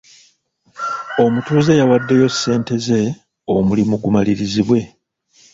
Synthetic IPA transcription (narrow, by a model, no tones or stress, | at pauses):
o̞mutuːzejawadːe̞jo̞sːe̞ːnte̞ze̞ | o̞mulimuɡumaliɾiziβwe̞